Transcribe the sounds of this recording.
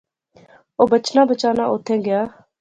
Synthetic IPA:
oːbət͡ʃnaːbət͡ʃaːnaːʔoːt̪ʰːẽːɡɪjaː

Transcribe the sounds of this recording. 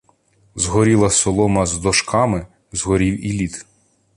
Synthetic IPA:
zɦɔɾʲilˠɐsɔlˠɔmɐzd̪ɔʃkɑmɪ | zɦɔɾʲiwilʲit̪

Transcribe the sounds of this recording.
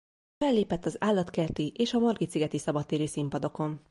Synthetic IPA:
fɛlːeːpɛt̪ːɒzaːlːɒt̪kɛrt̪iʔeːʃɒmorɡit̪siɡɛt̪isɒbɒt̪ːeːɾøːsimpɒd̪o̞ko̞n

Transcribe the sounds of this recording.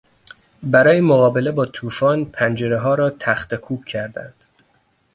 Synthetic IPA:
bæɾɒːjemoɣɒːbe̞le̞bɒːt̪ʰuːfɒːnpʰænd͡ʒeɾeɦɒːɾɒːt̪ʰæxt̪ekʰuːb̥̚cʰæɾd̪æ̰nd̪̥

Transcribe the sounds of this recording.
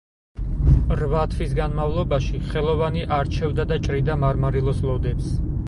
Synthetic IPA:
ɾvat̪ʰvisɡanmavlˠɔbaʃiχɛlˠɔvaniʔaɾt͡ʃʰɛvd̪ad̪at͡ʃʼɾid̪amaɾmaɾilˠɔslˠɔd̪ɛps

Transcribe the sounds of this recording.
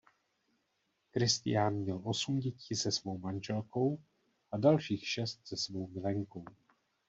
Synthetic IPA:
kɾɪst̪ɪ̰janmɲɛlʔo̞sumɟɛciːsɛsvo̞wmanʒɛlko̞w | ʔadalʃiːxʃɛst̪̚z̥ɛsvo̞wmɪlɛŋko̞w

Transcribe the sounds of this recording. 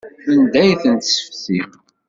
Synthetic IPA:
ənd̪æjθənt̪sə̥fθim

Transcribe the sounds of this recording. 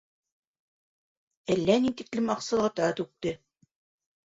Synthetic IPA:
ælːænit̪iklɘmɑqsɑ̆lˠɑt̪ɑt̪ʉk̚t̪ɘ

